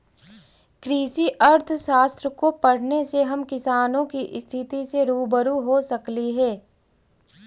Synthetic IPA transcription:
kɾiːʃiʔɐɾt̪ʰʃaːst̪ɾəkopɐɽ̤neseɦɐmkɪsaːnõkiʔɪst̪ʰɪt̪iseɾuːbəɾuɦosɐkliɦɛː

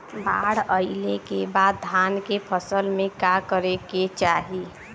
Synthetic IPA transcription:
baɽəɪlekebad̪̚ːʱankepʰəsəlmekakəɾeket͡ʃaɦi

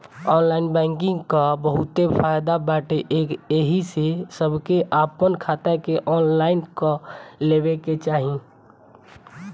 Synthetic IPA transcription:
ɔːnlaːɪnbɛ̃ːŋkɪ̃ŋɡkabəɦʊt̪epʰaːjd̪abaːʈeʔeːkeɦisesəbʱkeʔaːpənkʰaːt̪akeʔɔːnlaːɪnkaleːbeket͡ʃaːɦĩ

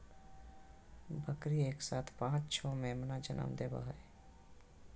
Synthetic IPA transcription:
bʱəkɾieːksaːt̪ʰpãːt͡ʃt͡ʃʰɔmẽmnad͡ʒə̰nə̰md̪eːba̰ɦəe

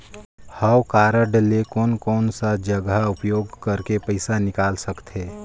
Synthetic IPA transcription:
hawkaːɾəɖlekɔːnkɔːnsad͡ʒəɡəʊpjoːɡkɐɾkepəɪsanɪkaːlsəkt̪ʰeː

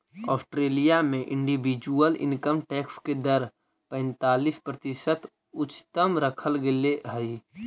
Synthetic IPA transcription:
ɔ̰ːsʈɾeːlijamẽʔɪ̃ɳɖibid͡ʒuəlɪ̰̃nkəmʈɛːksked̪əɾ | pɛ̃ːnt̪aːlispɾət̪ɪsət̪ | ʊt͡ʃːt̪əmɾəkʰəlɡeleɦəi

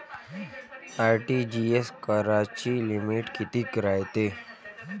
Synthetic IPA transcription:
aɾʈid͡ʑieskəɾat͡ɕiːlimiʈkit̪iːkɾajt̪e

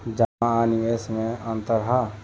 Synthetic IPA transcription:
d͡ʒaaaniesmẽənt̪əɾɦa

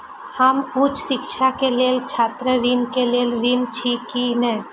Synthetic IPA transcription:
hamũːt͡ʃʃɪkʃakeleːlt͡ʃʰaːt̪ɾəɾinkeleːlɾint͡ʃʰikinɛː

